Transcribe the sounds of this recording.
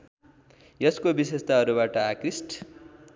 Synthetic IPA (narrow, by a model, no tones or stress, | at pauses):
jʌskobisest̪aɦʌɾubaʈʌakrisʈʰ